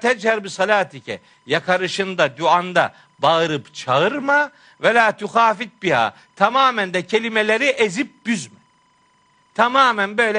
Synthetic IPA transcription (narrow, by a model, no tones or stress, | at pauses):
t̪ʰɛd͡ʒhaɾbisalʲaːt̪ʰicʰɛ̰ | jakʰaɾɯʃɯnd̪ad̪uand̪a | baɯɾɯpt͡ʃʰaɯɾma | vɛlʲaːt̪ʰuxaːfit̪̚biha̰ː | t̪ʰamaːmænd̪ɛcʰelʲimelʲeɾiʔezip̚byzmɛ | t̪ʰamaːmænbø̞jlʲɛ